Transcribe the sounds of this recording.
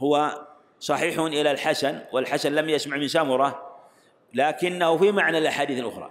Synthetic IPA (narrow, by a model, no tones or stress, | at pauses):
hʊwa | sˤɑħiːħʊnʔɪlalħasanwɪlħasanlamjasmaʕmɪnsamʊɾˤɑ | laːkɪnːahʊfimaʕnalʔaħaːd̪iːθɪlʔʊ̰xɾˤɑ̰ː